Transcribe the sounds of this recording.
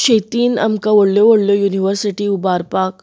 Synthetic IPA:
ʃɐjt̪iːnɐ̰mkaʋoɽljoʋoɽljojuːniʋəɾsiʈiubaːɾpaːk

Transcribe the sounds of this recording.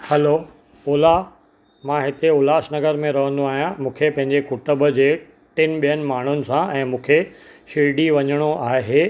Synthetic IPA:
hɛlo | oːla | mãɦɪt̪eoːlaʃnɐɡəɾmẽɾɐʋə̃nd̪uaːɦijãmũːkʰepɐ̃ɦɪ̃ɲd͡ʑekʊʈəbəd͡ʑeː | ʈɪnɪ̆ɓijənɪ̆maːɳ̤ʊnɪ̆sãɛ̃ːmũːkʰe | ʃiɖiʋɐɲəɽ̃oʔaːɦeː

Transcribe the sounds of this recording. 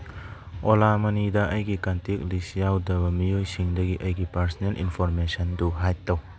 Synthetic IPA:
olamɐnidɐʔɐjɡikantik̚lisjawdɐbɐmijojsiŋdɐɡiʔɐjɡipɐɾsɔnelʔḭnpʰoɾmesɐnduɦajtːɐw

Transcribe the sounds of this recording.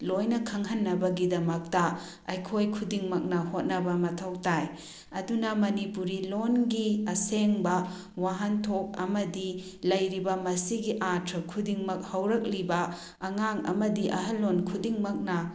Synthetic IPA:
lojnɐkʰɐŋɦɐnːɐbɐɡidɐmɐk̚tɐ | ɐjkʰojkʰudiŋmɐk̚nɐhot̚nɐbɐmɐtʰɐwtaj | ɐdunɐmɐnipuɾilonɡiɐseŋbɐ | waɦɐntʰok̚ɐmɐdi | lɐjɾibɐmɐsiɡiʔatʰɾɐkʰudiŋmɐk̚hɐwɾɐk̚libɐː | ŋaŋɐ̰mɐdiʔɐ̰ɦɐlːonkʰudiŋmɐk̚nɐ

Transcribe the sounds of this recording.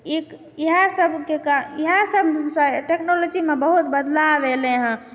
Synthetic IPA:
ek | iɦãsəbʱkekaiɦãsəbʱsə̃ʈeknolod͡ʒimebəɦut̪bəd̪laʋelẽɦã

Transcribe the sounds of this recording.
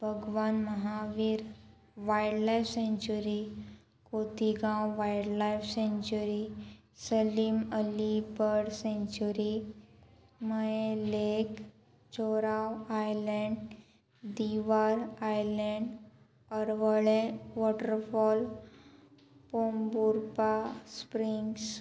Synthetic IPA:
bʱəɡʋanməɦaʋiːɾ | ʋajɽlajfsẽɲt͡ɕuɾi | kot̪iɡãwʋajɽlajfsẽɲt͡ɕuɾi | səliːməlibəɽsẽɲt͡ɕuɾi | məjelek | t͡ɕoɾawajlɛɳɖ | d̪iʋaɾajlɛɳɖ | əɾʋəɭẽʋɔʈəɾfɔl | pombuɾpaspɾiŋɡs

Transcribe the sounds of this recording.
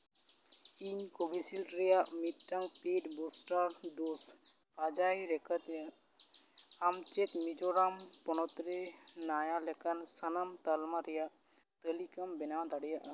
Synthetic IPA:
iɲkobisilɾɛjaʔmit̪ʈɐŋɡpeɖbosʈaɾd̪os | ɾad͡ʒaiɾɛkət̪jə | amt͡ʃet̪mid͡ʒɔɾampɔnɔt̪ɾenajalɛkansənamt̪ɐlmaɾɛjaʔ | t̪əlikɐmbɛnad̪aɽijaʔ

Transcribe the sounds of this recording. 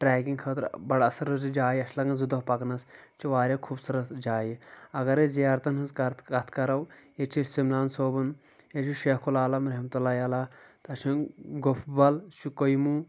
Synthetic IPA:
ʈɾɛːkiŋɡkʰɐːt̪ɾbɐɽɐsɐɾɨd͡ʒid͡ʒaːjiɐʃʰlɐŋɡɐzud̪oɦpɐknɐst͡ʃʰiʋaːɾʲjaːkʰubsɐɾɐt̪d͡ʒaːjiɐɡɐɾezijaːɾt̪ɐnɐzkɐkɐt̪ʰkɐɾɐwet͡ʃʰisimlaːnsoːbɐn | et͡ʃʰiʃeːhkʰulaːlɐmɾɐɦmt̪ulːaːjaːlaːt̪ɐt͡ʃʰiɡopʰbɐlt͡ʃʰukojmu

